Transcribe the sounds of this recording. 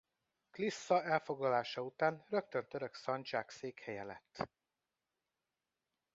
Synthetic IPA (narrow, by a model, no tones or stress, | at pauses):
klisːɒɛlfo̞ɡlɒlaːʃɒut̪aːnrø̞kt̪ø̞nt̪øɾø̞ksɒɲt͡ʃaːkseːkhɛjɛlɛ̰t̪ː